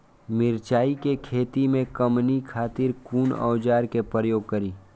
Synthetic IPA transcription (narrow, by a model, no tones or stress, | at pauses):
mɪɾt͡ʃaːikekʰeːt̪imẽkɐmnikʰaːt̪ɪɾkuːnɔ̰ːd͡ʒaːɾkepɾəjoːɡ̚kɐɾiː